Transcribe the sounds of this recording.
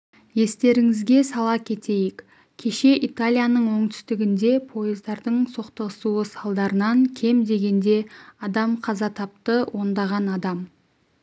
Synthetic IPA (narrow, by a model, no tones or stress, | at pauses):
je̞st̪e̞ɾɪŋɪzɡʲe̞sɑlˠɑkʲʰe̞t̪ʰe̞jɪkʲ | kʲʰe̞ʃe̞ʔit̪alʲijanəɴwo̞ɴt̪ʰʏ̥st̪ɪɡʲɪnd̪e̞pʰo̞jəzd̪ɑɾd̪əɴsoqt̪əʁəsuwəsɑlˠd̪ɑɾənɑŋkʲʰe̞md̪e̞ɡʲe̞nd̪e̞ɑd̪ɑmqʰɑzɑt̪ʰɑp̚t̪əwʔo̞nd̪ɑʁɑnɑd̪ɑm